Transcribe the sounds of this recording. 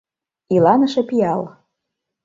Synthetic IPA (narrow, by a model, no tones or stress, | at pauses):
ilɑnɤ̆ʃĕpiɑl